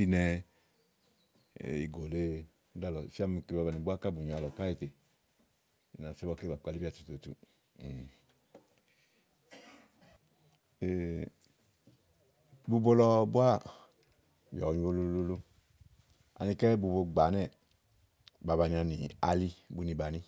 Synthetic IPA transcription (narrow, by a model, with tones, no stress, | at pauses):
i˦˧nɛ˧˨ | i˨ɡo˨le˧ | u˦da˦lɔ˨fi˦a˦mi˧˨ke˧ba˧ba˧ni˨bu˦a˦ka˦˨bu˨ɲ˨a˧lɔ˨ka˦i˧te˨ | i˨na˨se˦bɔ˧˦ke˦ba˨k͡pa˧li˦bi˦a˦˨tu̥˨to˨tṵ˧˨ | e˨ | bu˧bo˧lɔ˧bu˦a˦˨ | bjɔ˨ɲũ˧bo˧lo˧lo˧lo˧ | a̰˨ni˧kɛ˦bu˧bo˧ɡ͡ba˨˦nɛ˦˨ | ba˨˧ba˧ni˧a˧ni˨a̰˧li˧bu˧ni˨˧ba˨ni˧